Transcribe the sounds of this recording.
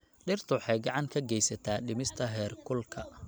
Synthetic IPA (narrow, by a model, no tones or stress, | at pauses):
ɗɪrt̪ʰʊħɑjɡɑʕɑŋkʰɐɡɛjsɐt̪ʰaːɗɪmɪst̪ʰɐɦɛːrkʰʊlkʰɐ